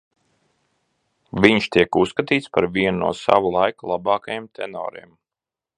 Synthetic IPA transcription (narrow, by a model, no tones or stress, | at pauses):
vʲiɲʃt̪iɛkusːkat̪iːt̪spaɾviɛnnṵɔsa̰vulˠajkulˠabɑːkajemt̪ʰɛ̰nɔ̰ːɾḭm